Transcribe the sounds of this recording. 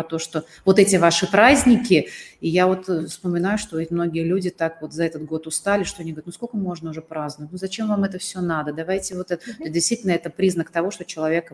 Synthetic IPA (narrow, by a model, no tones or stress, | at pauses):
ɐt̪o̞ʂt̪o̞ | vo̞t̪ɛtʲɪvaʂɨpɾazʲnʲɪkʲɪijavo̞t̪fspəmʲɪnajʊʂt̪o̞ɪmno̞ɡʲɪjəlʲudʲɪt̪akvo̞t̪zɐɛt̪ət̪̚ɡo̞t̪ʊst̪alʲɪʂt̪oɐnʲiɡəvɾʲtnuskolkəmo̞ʐnəʊʐɛpɾaznəvətʲnuzɐt͡ɕe̞mvamɛt̪əfsʲonad̪əd̪ɐvajtʲɪvo̞t̪ɛt̪t̪osʲdʲɪst̪vitʲɪlʲnəɛt̪əpɾʲiznəkt̪ɐvo̞ʂt̪ot͡ɕɪlˠɐvʲek